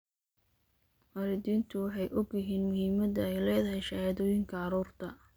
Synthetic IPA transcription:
wɐɾɪd̪iːnt̪ʰʊwɑħɑjʔɔɡjɪɦiːnmʊhiːmɐðɐɛjlɛːðɐɦɛjʃɐjaðɔːjɪŋkʰɐɑɾuːrt̪ʰɐ

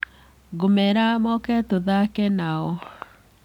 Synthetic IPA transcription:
ɡomɛɾamɔkɛtoðakɛnaɔ

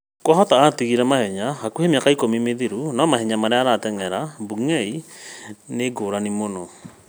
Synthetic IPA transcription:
kwɔɦɔtaatiɣiɾɛmahɛɲahakuhemejakaikomimeðiɾunɔmaɦɛɲamaɾeaɾatɛŋɛɾabuŋɛi | neɡoːɾanimonɔ

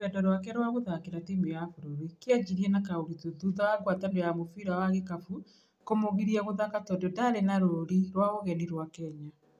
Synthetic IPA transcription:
ɛndɔɾwakɛɾwaɣoðakeɾatimeafoɾoɾikead͡ʑiɾiɛnakaoɾituðuðɔaɡwatandojamofiɾawaɣekafu | komoɣiɾiaɣoðakatɔdodaɾenaɾooɾiɾwaɣoɣɛniɾwakɛɲa

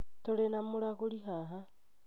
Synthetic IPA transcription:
t̪oɾenamoɾaɣoɾiɦaɦa

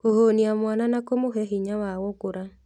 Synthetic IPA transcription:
kohoniamwananakomoɦɛɦiɲawawɔkoɾa

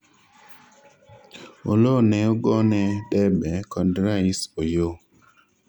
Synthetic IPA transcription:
o̰lonɛoɡɔnɛdɛbɛkɔndɾaisojo

